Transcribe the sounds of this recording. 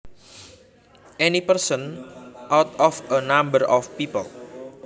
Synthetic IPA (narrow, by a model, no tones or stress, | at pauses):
ʔɛnipərsənʔawt̪ɔfənambəɾʔɔfpipə̰l